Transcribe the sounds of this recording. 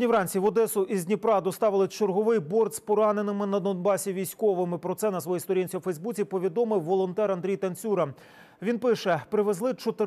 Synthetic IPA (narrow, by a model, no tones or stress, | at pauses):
nʲiʋɾɑnʲt͡sʲiʋɔd̪ɛsʊʔizʲnʲipɾɑd̪ɔst̪ɑʋɪlˠɪt͡ʃerɦɔʋɪjbɔrd̪spɔɾɑnenɪmɪnɐd̪ɔnbɑsʲiʋʲijsʲkɔʋɪmɪpɾɔt̪sɛnɐsʋɔjist̪ɔɾʲinʲt͡sʲiwfɛjzbut͡sʲipɔʋʲid̪ɔmɪwːɔlˠɔnt̪ɛɾɐnd̪ɾʲijt̪ɐnʲt͡sʲuɾɐ | ʋʲinpɪʃɛpɾɪʋezlˠɪt͡ʃɔt̪ɪ